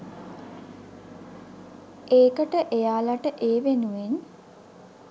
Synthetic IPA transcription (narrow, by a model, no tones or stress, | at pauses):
eːkəʈəʔejaːlaʈəʔeːʋenuʋen